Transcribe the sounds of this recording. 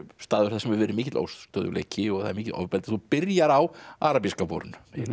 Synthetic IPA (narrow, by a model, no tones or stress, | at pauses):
st̪aːðʏɾ̥θɛsɛmɛɾvɛːɾɪmiːcɪt̪lo̰wst̪œðʏlḛjcɪɔɣθaðɛɾmiːcɪt̪ɔ̰vpɛlt̪aθupɪɾjaɾawaːɾapiskapɔ̰ɾʏn